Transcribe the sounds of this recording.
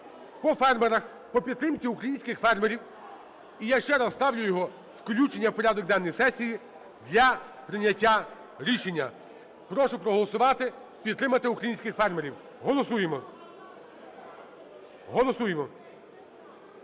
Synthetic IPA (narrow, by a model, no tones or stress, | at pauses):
pɔfɛrmeɾɐx | pɔpʲid̪t̪ɾɪmt͡sʲiukɾɐjinʲsʲkɪxfɛrmeɾʲiw | ijaʃt͡ʃɛɾɐzst̪ɑwlʲʊjjɔɦɔ | skɔlʲut͡ʃenʲːɐwpɔɾʲad̪ɔk̚d̪ɑnːɔjsɛsʲːiji | d̪lʲɐpɾɪnʲːɐtʲːa | ɾʲiʃenʲːɐ | pɾɔʃʊpɾɔɦɔlˠɔsʊʋɑt̪ɪ | pʲid̪ɾɪmɐt̪ɪukɾɐjinʲsʲkɪxfɛrmeɾʲiw | ɦɔlˠɔsujemɔ | ɦɔlˠɔsujemɔ